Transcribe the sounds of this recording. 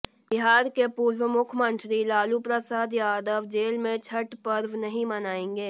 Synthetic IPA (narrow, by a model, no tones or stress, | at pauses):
bɪɦaːɾkepuːɾwəmʊkʰəmə̃nt̪ɾilaːlupɾəsaːd̪jaːd̪əʋd͡ʒeːlmẽt͡ʃʰəʈpəɾʋnɐɦĩmɐnaːẽːŋ̆ɡeː